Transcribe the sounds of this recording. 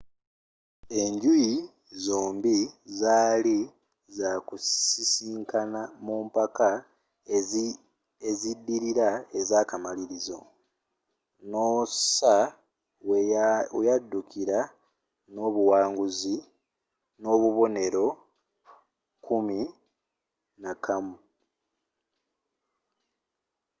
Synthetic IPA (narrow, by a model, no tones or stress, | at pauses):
e̞ɲɟuji | zoːmbizaːli | zakusisiːŋkanamuːmpaka | ezidːiɾiɾae̞zaːkamaliɾizo̞̰ | no̞sa | wwejadːukiɾa | no̞βuwaːŋɡuzi | no̞ːβuβo̞ne̞ɾo̞ | kumi | nakamu